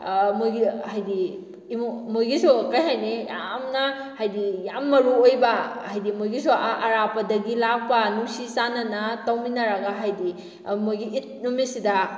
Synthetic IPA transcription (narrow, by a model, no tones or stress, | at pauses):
mojɡihajdi | momojɡisokajɦajneja̰mnɐ | hajdijamːɐɾuojbɐhajdimojɡisoɐɾapɐdɐɡilak̚pɐnusisanɐnɐtawminɐɾɐɡaɦajdi | mojɡiʔːt̚numisidɐ